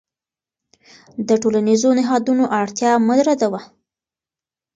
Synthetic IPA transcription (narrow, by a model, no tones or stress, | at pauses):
d̪əʈolanizonɪɦɑd̪unoʔaɽt̪jɑmʊd̪ɾad̪awa